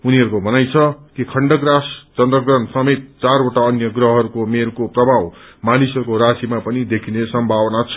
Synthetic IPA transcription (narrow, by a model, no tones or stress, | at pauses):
uniɦʌɾukobʱʌnajt͡sʰʌkikʰʌɳɖʌɡrast͡sʌnd̪rʌɡrʌnsʌmet̪̚ːt͡saroʈaʌnjʌɡrʌɦɦʌɾukomeɾkoprʌbʱaw | manisʌɾukoɾasimapʌnid̪ekʰinesʌmbʱabʌnat͡sʰʌ̥